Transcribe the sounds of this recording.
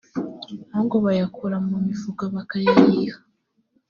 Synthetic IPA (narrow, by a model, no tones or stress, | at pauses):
noŋɡoβajakʰoɾamumivuɡaβakajahiha